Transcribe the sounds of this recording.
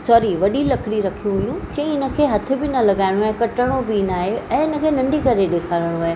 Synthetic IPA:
sɔːɾiʋɐɗilɐkɽiɾɐkʰijũɦʊjũd͡ʑɐ̃ĩɪnə̆kʰeːɦɐt̪ʰɪ̆bɪnɐlɐɡaːɪɽ̃oaːɦẽkɐʈəɽ̃oʋiːnaːɦeɛ̃ːɪnə̆kʰeːnɐ̃ɳɖikɐɾeɗeːkʰaːɾəɽ̃oaːɦẽ

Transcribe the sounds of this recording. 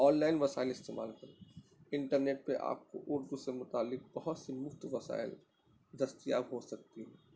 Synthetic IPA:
ɔːnlaːɪnʋɐsaːɪlɪst̪eːma̰ːlkɐɾoɪ̃ɳʈəɾneːʈ̚peʔa̰ːp̚ko̰ʔʊɾd̪usemʊt̪aːlːɪq̚bɐɦʊt̪simʊft̪ʋɐsa̰ːɪl | d̪ɐst̪ija̰ːbɦosɐk̚t̪iɦɛ

